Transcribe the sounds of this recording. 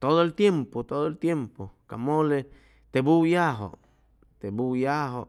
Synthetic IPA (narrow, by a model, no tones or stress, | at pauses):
t̪oðoelt̪jempot̪oðoelt̪jempoka̰mole | t̪ebujaɦo̰ | t̪ebujaɦo